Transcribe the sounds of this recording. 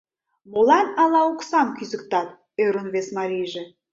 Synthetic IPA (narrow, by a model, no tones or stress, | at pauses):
molɑnɑlɑuksɑmkyzə̆k̚t̪ɑt̪̚ | øɾonβesmɑɾʲijʒĕ